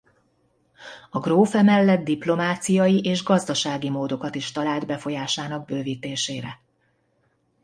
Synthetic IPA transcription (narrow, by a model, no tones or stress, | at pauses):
ɒɡroːfɛmɛlːɛd̪̚d̪iplo̞maːt̪sijɒjiʔeːʒɡɒzd̪ɒʃaːɡimoːd̪o̞kɒt̪iʃt̪ɒlaːld̪bɛfo̞jaːʃaːnɒɡ̚bøːviːt̪eːʃeːɾɛ